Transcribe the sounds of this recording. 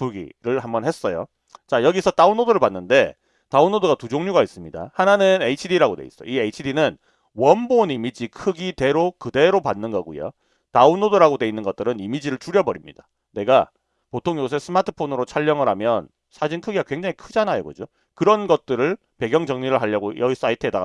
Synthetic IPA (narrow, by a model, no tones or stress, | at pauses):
pʰuɡḭɾɯɭhambʌnhe̞s͈ʌjo̰ | t͡ɕajʌɡisʰʌt͈aunodoɾɯɭpanːɯnde̞ | taunːodoɡatud͡ʑoŋɲuɡais͈ɯmɲida̰hananɯneit͡ɕʰidiɾaɡodeḭs͈ʌ̰j̰ieit͡ɕʰidinɯn | wʌnbonimid͡ʑikʰɯɡide̞ɾokɯde̞ɾopanːɯnɡʌɡujo̰ | taunodoɾaɡodwe̞inːɯnɡʌt͈̚ɯɾɯnimid͡ʑiɾɯɭt͡ɕuɾjʌbʌɾimɲḭd̥a | ne̞ɡa | potʰoŋjos̬ʰes͈ɯmatʰɯ̥pʰonɯɾot͡ɕʰaʎːʌŋɯɾɦamjʌn | sʰad͡ʑinkʰɯɡiɡakwe̞ŋd͡ʑaŋikʰɯd͡ʑanajoɡʌ̰d͡ʑo | kɯɾʌnɡʌt̚t͈ɯɾɯɭ | pe̞ɡjʌŋd͡ʑʌŋɲiɾɯɭɦaʎːʌɡojʌɡisʰʌaitʰɯeda